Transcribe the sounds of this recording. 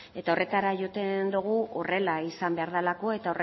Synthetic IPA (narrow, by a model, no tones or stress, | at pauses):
e̞t̪ao̞re̞t̪aɾaʝo̞t̪e̞nd̪uɣ̞uo̞̰re̞laisambe̞aɾðalako̞e̞t̪ao̞re